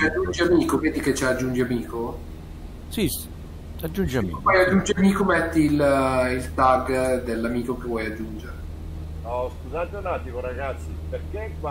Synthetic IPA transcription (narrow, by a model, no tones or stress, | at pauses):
t͡ʃiad͡ʒːund͡ʒiamiːkoveːd̪iket͡ʃːad͡ʒːund͡ʒiamiːko | si | ad͡ʒund͡ʒiaḭvɔjad͡ʒːund͡ʒiamiːkomɛt̪ːiːlilt̪aɡd̪elːamiːkokevwɔjad͡ʒːund͡ʒeɾe | ɔskuzat̪onaːt̪imoɾaɡat̪sːiperkek